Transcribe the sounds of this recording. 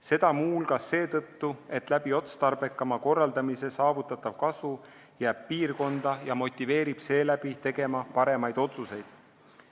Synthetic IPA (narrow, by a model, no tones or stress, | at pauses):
se̞d̪̥ɑmuːlkɑsːe̞ːt̪ɤt̪ːue̞t̪ˑlæb̥io̞t̪st̪ɑrbe̞kːˑɑmɑko̞rːɑld̪ɑmise̞sɑːvut̪ːˑɑt̪ːˑɑvkɑsu | jæːb̥̚piːrko̞nd̪̥ɑjɑmo̞t̪ʲːˑive̞ːɾib̥se̞ːlæb̥it̪e̞ɡ̥e̞mɑpɑɾe̞mɑjd̪̥o̞t̪suse̞jd̪̥